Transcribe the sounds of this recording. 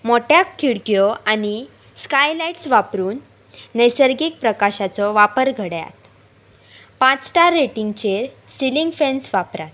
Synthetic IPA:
moʈjakʰːiɽkjɔani | skajlajʈsʋapɾuːnː | əjsəɾɡiːk̚pɾəkaɕat͡sɔʋapəɾɡʱəɽja̰t̪ | pãt͡sʈaɾːeʈiŋɡt͡ɕeɾ | siliŋɡfensʋapɾat̪̚

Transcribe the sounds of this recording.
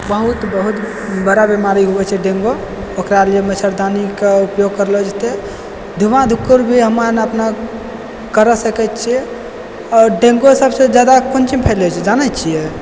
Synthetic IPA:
bəɦut̪bəɦut̪ | bəɾabimaɾiɦubɛt͡ʃʰɛɖẽŋɡo | okɾaliemət͡ʃʰəɾd̪anikeupjoɡ̚kəɾlod͡ʒt̪e | d̪ʱumãd̪ʱukːuɾbʱiɦəmanəpna | kəɾəsəkɛtt͡ʃʰiɛ | ɔɾɖeŋɡosəbsed͡ʒjad̪akont͡ʃimpʰɛlɛt͡ʃʰɛd͡ʒanɛt͡ʃʰijɛ

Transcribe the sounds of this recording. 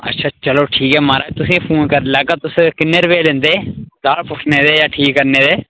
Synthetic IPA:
ə̰tːʃʰaːt͡ʃəloːʈʰiːkɦɛːmaːɾaːt̪ʊsĩːpʰuːnkəɾlaːɡaːt̪ʊskɪnːeːɾʋeːlẽːnd̪eːɡaːlpʊʈʰneːd̪eːjaːʈʰiːkːəɾneːd̪eː

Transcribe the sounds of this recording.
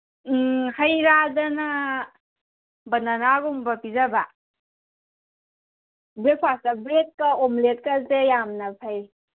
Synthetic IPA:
hajɾazana | bananaɡumbapizaba | bɾepʰwasabɾet̚kaɔmlet̚kazejamnapʰaj

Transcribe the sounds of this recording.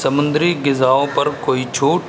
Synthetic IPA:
səmʊ̃nd̪ɾiːɡɪzaːõpɐɾkoːit͡ʃʰoːʈ

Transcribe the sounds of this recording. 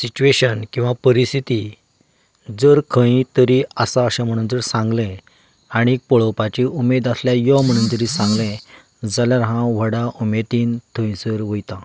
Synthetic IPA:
sit͡ɕueɕənkĩw̃ʋapəɾist̪ʰit̪i | d͡zəɾkʰə̃ĩt̪əɾiəsaəɕãm̤əɽ̃ũːnd͡zəɾsãŋɡlẽ | aɽ̃ikpɔɭopat͡ɕiumed̪asljajɔm̤əɽ̃uːnd͡zəɾisãŋɡlẽ | d͡zaljaɾɦãʋ̤əɽaʔumet̪iːnt̪ʰõj̃səɾʋəjt̪ã

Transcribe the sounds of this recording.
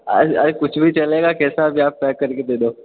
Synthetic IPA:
a̰ɐɾkʊt͡ʃʰbʱit͡ʃɐleːɡakɛːsabʱiaːpːɛːkːɐɾked̪eːd̪oː

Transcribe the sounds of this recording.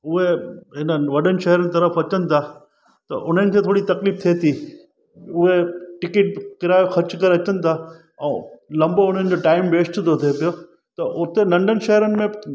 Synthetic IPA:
ʊɦeɦɪnəʋɐɗənɪ̆ʃɐɦɾənɪ̆t̪ɐɾəfɐt͡ɕənɪ̆t̪ʰaː | t̪ɐ̰ʔʊn̤ənɪ̆kʰẽt̪ʰoːɽit̪ɐkliːf̚t̪ʰet̪ʰiː | ʊɦeʈɪkɪʈ̚kɪɾaːjoxɐɾt͡ɕkɐɾeɐt͡ɕənɪ̆t̪ʰa | ɛ̃ːlɐ̃mboʊn̤ənɪ̆d͡ʑoʈaːɪmʋeːsʈt̪ʰot̪ʰepijo | t̪ɐʔʊt̪enɐ̃ɳɖənɪ̆ʃɐɦəɾənɪ̆mẽ

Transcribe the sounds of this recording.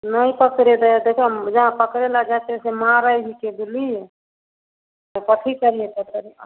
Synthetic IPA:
nəjpəkɾed̪əjad̪ekʰed͡ʒəɦãpəkɾelad͡ʒat̪esemaɾəɦikebulije | epəʈʰikəɾiepət̪ʰəɾ

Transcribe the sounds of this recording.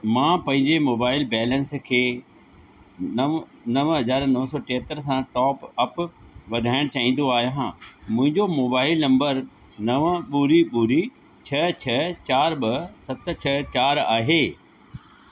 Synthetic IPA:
mãːpɐ̃ɦɪ̃ɲd͡ʑemoːbaːɪlbɛːlə̃nskʰeː | nɐʋɦɐd͡ʑaːɾnɐɦsɔːʈeɦət̪əɾsãʈɔːpɐpʋɐd̪ʱaːɪɽ̃t͡ɕaːĩːn̆d̪oaːɦijãmʊ̃ɦɪ̃ɲd͡ʑomoːbaːɪlnɐ̃mbəɾ | nɐʋəɓuɾiɓuɾi | t͡ɕʰɐt͡ɕʰɐt͡ɕaːɾɓɐsɐt̪̆t͡ɕʰɐt͡ɕaːɾaːɦeː

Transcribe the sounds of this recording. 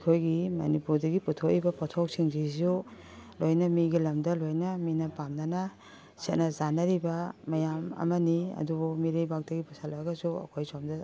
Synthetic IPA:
kʰojɡimɐnipuɾdɐɡiputʰok̚ibɐpɔtʰok̚siŋzisu | lojnɐmiɡilɐmdɐlojnɐminɐpamnɐnɐ | set̚nɐzanɐɾibɐmɐjamɐ̰mɐniɐ̰dubumiɾejbak̚dɐɡipusʰalɐɡɐsuɐ̰kʰojsomdɐ

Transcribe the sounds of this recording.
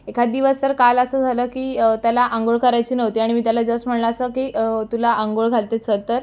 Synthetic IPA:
ekʰad̪iʋəst̪əɾkaləsəːd͡zʱaləːkiːt̪jalaʔaŋɡoɭkəɾajt͡ɕiːnəʋt̪iːaɽ̃imiːt̪jalad͡zəst̪m̤əɽlaːsəkiːt̪ulaʔəŋɡoɭɡʱalt̪et͡sət̪əɾ

